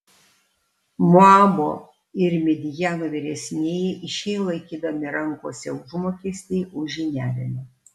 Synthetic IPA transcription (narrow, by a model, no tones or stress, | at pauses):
moɑːboː | ɪɾmʲɛd̪ʲɪjæːnoːʋʲɪɾʲɛsʲnʲeːjɛʔɪʃʲɛɪlˠɐɪkʲiːd̪ɐmʲɪɾɐŋkoːsʲɛʊʒmoːkʲesʲt̪ʲɛɪʊʒʲɪnʲæːlʲɪnʲɛ